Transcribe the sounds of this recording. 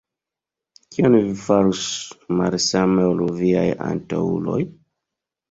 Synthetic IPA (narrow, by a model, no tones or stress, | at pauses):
kionvifaɾusmalsameolviaja̰nta̰ṵlo̞̰j